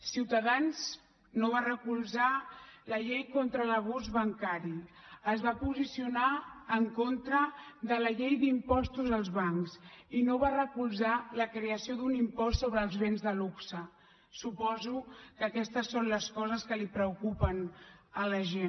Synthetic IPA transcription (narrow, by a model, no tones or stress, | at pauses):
siwt̪əðanz | noβ̞arəkulˠzaləʎejkont̪ɾələβ̞uzβəŋkaɾi | əzβapuzisiunaːŋkont̪ɾəðələʎejðimpɔst̪uzəlˠzβaŋksinoβarəkulˠzaləkɾeəsioðunimpɔssoβ̞ɾəːlˠzβenzðəluksə | supɔzukəkɛst̪əsːonləskɔzəskəlipɾəukupənələʒe